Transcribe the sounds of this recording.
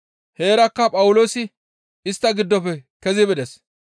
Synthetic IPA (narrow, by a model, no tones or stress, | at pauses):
he̞ːɾɐkːɐpʼɐwʊlo̞ːsɪ | ɪst̪ːɐɡɪd̪ːɔpːɛkɛzɪbɛd̪ɛs